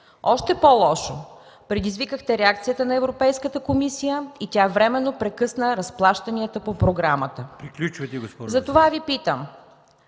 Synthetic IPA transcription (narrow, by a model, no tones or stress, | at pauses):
ɔʃt̪ɛpolˠɔʃo | pɾɛd̪izvikəxt̪ɛɾɛak̚t̪sijət̪ənɐɛvɾopɛjskət̪əkomisijəit̪ʲavɾɛmɛnːopɾɛkɤsnəɾɐsplˠaʃt̪ɐniət̪əpopɾoɡɾamət̪əpɾiklʲut͡ʃvɐt̪ɛɡospzɐt̪ovavipit̪əm